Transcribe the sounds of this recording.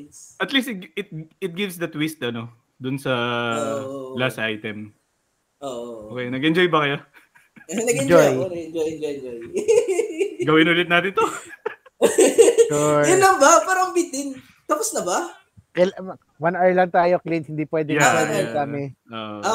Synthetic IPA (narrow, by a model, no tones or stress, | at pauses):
sʔɐt̪list̪ɪt̪ɪt̪̚ɪt̪̚ɡɪvsd̪ɐt̪wist̪ɐno̞ | d̪ʊnsɐ | ʔlasajt̪ɛm | ʔoʔʔokɛjnɐɡʔɛnd͡ʒo̞jbɐkɐjo | nɐɡɛd͡ʒojnɐɛnd͡ʒojɛnd͡ʒojd͡ʒoj | ɡɐwɪnʊlɪt̪̚naːt̪ɪnt̪o | jʊnlːɐŋbɐpaːɾɐŋbit̪ɪn | t̪aposnɐbɐ | kɛl | wɐnɛɹlɐŋt̪aːjo̞klinshɪnd̪iːpwɛːd̪ɛjaanakamɪʔoːʔo